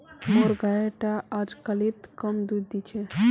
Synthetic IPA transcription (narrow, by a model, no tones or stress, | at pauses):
moɾɡajeʈaʔad͡ʒkəlit̪kəmd̪ud̪it͡ʃʰe